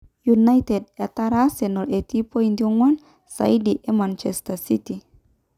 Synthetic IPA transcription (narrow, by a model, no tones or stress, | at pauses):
junajtedataɾasenɔlʔetipoindioŋwan | sa̰idiʔemant͡ʃestasiti